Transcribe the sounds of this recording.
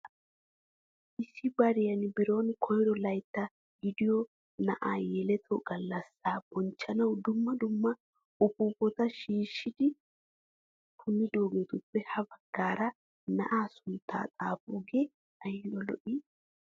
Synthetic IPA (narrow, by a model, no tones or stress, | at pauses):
ʔɪsːɪbɐɾɪjɐnbɪɾo̞ːnkʰɔjɾɔlɐjt̪ːɐ | ɡɪd̪ɪjɔ | nɐʔaːjɛlɛt̪ʰɔɡɐlːɐsːaːb̥ɔnt͡ʃːɐnɐwd̪ʊmːɐd̪ʊmːɐ | ʊpuːpːɔt̪ɐʃiːʃːɪd̪ɪ | kʰʊnːɪd̪oːɡet̪ʊpːɛhɐbɐɡ̥ːaːɾɐ | nɐʔaːsʊnt̪ʰːa̰ːt̪ʼaːfuɡeː | ɐjɪnɔlɔ̰ʔiː